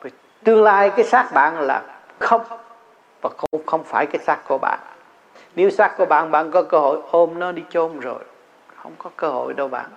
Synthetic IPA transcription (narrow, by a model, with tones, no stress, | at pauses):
və˨˩ | t̪ɨ˧əŋlaː˧jkaː˨˦jsaː˦˥k̚ɓa̰ː˧˨nla̰ː˨˩ | xə˧wŋ͡m | vaː˨˩xəŋ͡mxə˧wŋ͡mfaː˧˩jkaː˨˦jsaː˦˥k̚ku˧˩əɓa̰ː˧˨n | ne˨˦wsaː˦˥k̚ku˧˩əɓa̰ː˧˨nɓa̰ː˧˨nkɔ˨˦kəː˧ho̰˧˨jʔo˧mnɔ˨˦ɗi˧t͡ɕo˧mzo̰˨˩j | xə˧wŋ͡mkɔ˨˦kəː˧ho̰˧˨jɗə˧wɓa̰ː˧˨n